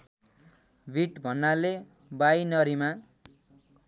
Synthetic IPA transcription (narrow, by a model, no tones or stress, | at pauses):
bʱiʈbʱʌnːale | bajnʌɾima